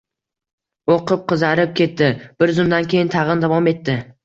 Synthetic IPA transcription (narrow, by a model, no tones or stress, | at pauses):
oqʰɨp̚qʰɨzaɾɪp̚kʲʰe̞t̪ːɪb̥ɪɾzʊmd̪ankʲʰe̞jɪnt̪ʰɑʁɨnd̪avɒme̞t̪ʰːɪ